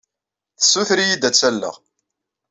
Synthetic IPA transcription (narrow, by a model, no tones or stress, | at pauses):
θə̥sːuθɾijid̪æt͡sːælːə̰ʁ